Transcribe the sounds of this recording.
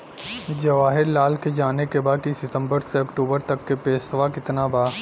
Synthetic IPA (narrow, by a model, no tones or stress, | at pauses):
d͡ʒɐʋaːɦɪɾlaːlked͡ʒaːnekebaːkisɪt̪ə̃mbəɾseɐkʈuːbəɾt̪ɐkːepeːsʋakɪt̪nabaː